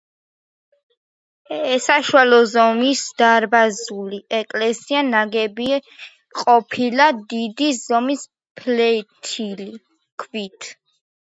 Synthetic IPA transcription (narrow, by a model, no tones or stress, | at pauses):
ɛsaʃualɔzɔmisd̪aɾbazuliɛkʼlɛsianaɡɛbi | qʼɔpʰilad̪id̪izɔmis | pʰlɛt̪ʰili | kʰvit̪ʰ